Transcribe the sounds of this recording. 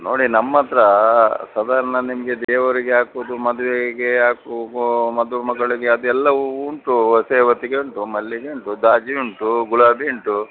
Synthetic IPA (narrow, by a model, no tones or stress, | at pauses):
no̞ːɽinɐmːɐt̪ɾɐsɐd̪aːɾɐnɐnimɐɡed̪eːʋɐɾiɡeaːkuʋd̪umɐd̪uʋeɡeaːkuɡmɐd̪uʋemɐɡɐɭiɡeɐd̪uɛlːɐuːɳʈuɐseːʋɐt̪iɡeuɳʈumɐlːiɡeuɳʈud̪aːd͡ʒiuɳʈuɡuɭaːbiuɳʈu